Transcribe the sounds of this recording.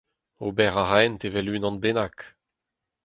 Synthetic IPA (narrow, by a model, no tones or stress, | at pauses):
obɛʁaʁɛnt̪evɛlynɑ̃nbenak